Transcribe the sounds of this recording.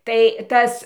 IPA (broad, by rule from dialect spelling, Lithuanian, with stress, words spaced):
tɐɪ ˈtɐs